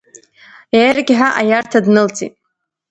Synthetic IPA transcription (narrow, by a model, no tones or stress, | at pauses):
jajrɡʲħaʔajartʰadnɨlt͡sʼḭtʼ